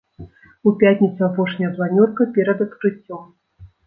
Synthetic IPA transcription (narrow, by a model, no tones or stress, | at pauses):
upʲatʲnʲɪt̪suapɔʂnʲɐjɐplˠanʲɔrkɐpʲɛɾɐd̪ɐt̪kɾɨt͡sʲːɔm